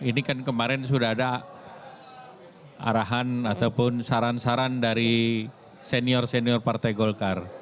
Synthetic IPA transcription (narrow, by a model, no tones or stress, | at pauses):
inikankəmaɾɛnsudaɦada | a̰ɾaɦanat̪awpʊnsaɾansaɾandaɾi | seniɔrseniɔrpart̪ajɡɔlkar